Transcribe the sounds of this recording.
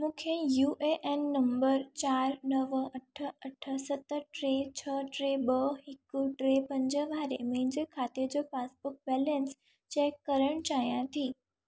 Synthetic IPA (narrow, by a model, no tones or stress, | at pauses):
mũːkʰejuːʔeʔɛnːɐ̃mbəɾt͡ɕaːɾnɐʋɐʈʰə̆ɐʈʰə̆sɐt̪ə̆ʈɾet͡ɕʰəʈɾeːɓɐɦɪkʊʈɾepɐ̃ɲd͡ʑəʋaːɾḛmẽɦɪ̃ɲd͡ʑekʰaːt̪ed͡ʑoːfaːsbʊk̚bɛːlɛ̃ns | t͡ɕɛːkːɐɾəɽ̃t͡ɕaːɦijãt̪ʰiː